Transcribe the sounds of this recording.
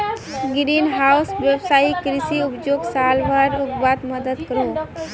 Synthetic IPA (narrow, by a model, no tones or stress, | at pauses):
ɡɾinɦaʊsʋjebsaikɾisiʊpd͡ʒoɡsalʋaɾukbat̪məd̪əd̪kəɾo